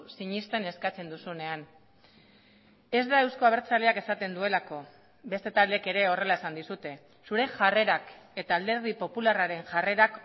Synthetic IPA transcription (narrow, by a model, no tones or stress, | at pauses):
siɲist̪e̞ne̞skat͡se̞nd̪usune̞an | e̞zd̪ae̞wsko̞aβ̞e̞ɾt͡sale̞ake̞sat̪e̞nd̪ue̞lako̞ | be̞st̪e̞t̪ald̪eke̞ɾe̞o̞re̞lae̞sand̪isut̪e̞ | suɾe̞ʝare̞ɾake̞t̪aːld̪e̞ɾð̞ipo̞pularaɾe̞ŋʝare̞ɾak